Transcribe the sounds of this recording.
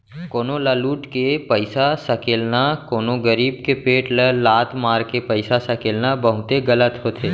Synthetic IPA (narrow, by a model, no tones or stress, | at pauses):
koːnolaːluːʈkepəɪsasəkeːlnakoːnoɡəɾiːbkepeːʈləlaːt̪maːɾkepəɪsasɐkeːlnabəɦʊt̪eɡɐlət̪ɦoːt̪ʰeː